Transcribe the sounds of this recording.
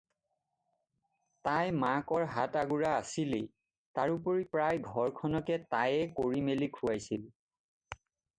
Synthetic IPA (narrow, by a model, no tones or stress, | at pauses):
tajmakɔɹɦataɡuɹaːsile | taɹupoɹipɹajɡʱɔɹkʰɔnɔkɛtajɛkoɹimelikʰuajsil